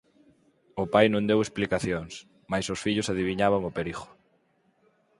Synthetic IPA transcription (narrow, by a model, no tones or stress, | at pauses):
ʊpajnõŋd̪ewesplikaθjoŋs | majsʊsfiʎʊsaðiβiɲaβaŋopeɾiɣʊ̥